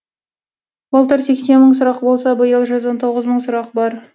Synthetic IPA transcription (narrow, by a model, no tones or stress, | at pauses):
bɑlˠt̪əɾse̞kse̞nmːəɴsʊɾɑqbo̞lˠsɑbəjəlˠʒʏzwont̪ʰo̞ʁəzməɴsʊɾɑqbɑɾ